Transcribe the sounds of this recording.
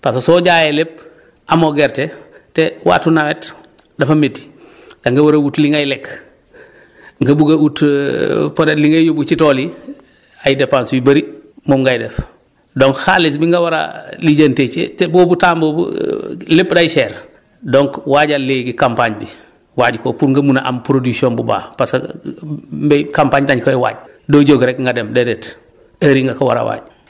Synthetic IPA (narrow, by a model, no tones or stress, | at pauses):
passɔːɟaːjɛlep̚ | ʔamoɡɛɾtɛtɛwa̰ːtunaŋɛt | dafametːi̥ | ɡaŋɡɐwɐɾawutliŋajlɛk | ŋɡɐbuɡawut | pɔtɛtliŋajjobut͡ʃitɔli | ajdepanswibɐɾimɔmɡajdɛf | dɔŋkxalis̬biŋɡawaɾa̰liɟanteːt͡ʃḛbɔbutaːmbɔbṵlepdajʃɛːɾ | dɔŋkwaːɟalːeɡikampaɲbi | waːɟkopuɾŋɡɐmunaʔa̰mpɾodiksiɔːnbuba̰ːpasa | mbɛkampaɲtaɲkoɛwa̰ːɟ | doɟoɡɾɛkŋɡadɛmdɛdɛt | ɐɾiŋɡakawa̰ɾa̰wa̰ːɟ